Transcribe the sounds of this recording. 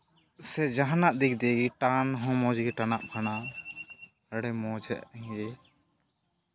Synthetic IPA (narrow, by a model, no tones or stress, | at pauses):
sɛd͡ʒaɦanaʔd̪iɡd̪ɛɡiʈanɦɔ̃mɔ̃d͡ʒɡiʈanaʔpʰana | əɽɛmɔd͡ʒɛ̰ʔɛ